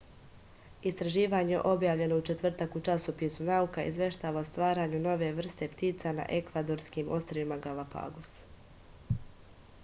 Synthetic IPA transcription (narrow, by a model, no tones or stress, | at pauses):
ist̪ɾaʒiːʋaːɲeʔo̞bjaːʋlʎe̞no̞ut͡ʃe̞t̪ʋr̩t̪akut͡ʃasopisunaukaḭzʋe̞ʃt̪aːʋaost̪ʋaːɾaːɲuno̞ʋe̞ʋr̩st̪e̞pt̪iːt̪sana̰ʔe̞kʋad̪o̞ɾskimʔo̞st̪ɾoimaɡalapa̰ːɡos